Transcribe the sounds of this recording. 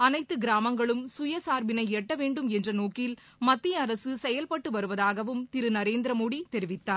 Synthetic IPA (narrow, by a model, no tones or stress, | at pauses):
ɐnɐɪt̪ːɯɡɪɾaːmɐŋɡɐɭɯmsʊjɐsaːɾʋɪnɐɪɛʈːɐʋeːɳɖɯmɛndrɐnoːkɪl | mɐt̪ːijɐɐɾɐsɯsɛjɐlpɐʈːɯʋɐɾɯʋɐðaːɣɐʋɯmt̪ɪɾɯnɐɾeːnd̪ɪɾɐmoːɽit̪ɛɾɪʋɪt̪ːaːɾ